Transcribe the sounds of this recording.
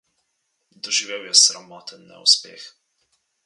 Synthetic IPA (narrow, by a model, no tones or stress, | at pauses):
d̪ɔʒiʋewjɛsɾamɔːt̪ənːɛ̰ṵspḛːx